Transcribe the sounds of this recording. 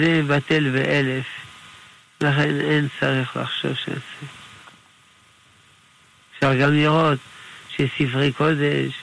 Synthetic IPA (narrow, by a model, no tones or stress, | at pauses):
zebat̪elveʔelef | laχenent͡saʁiχla̰χʃo̞̰vʃea̰se | fʃaʁɡamliʁo̞t̪ʃesifʁikod̪eʃ